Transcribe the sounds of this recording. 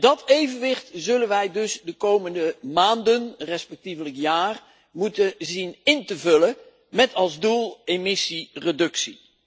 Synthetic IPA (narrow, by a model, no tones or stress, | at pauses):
dɑtejvənʋɪχtzɵlənʋɛjdɵsdəkowməndəmaːndənrɛspɛk̚tivələkjaːr | mutəzinɪntəvɵlə | mɛtɑlˠzdulˠemɪsiredɵksi